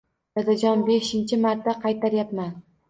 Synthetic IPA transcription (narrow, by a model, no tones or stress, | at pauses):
d̪ad̪ad͡ʒɒnbeʃɪnt͡ʃʰɪmaɾt̪ːaqʰɑjt̪ʰaɾjapman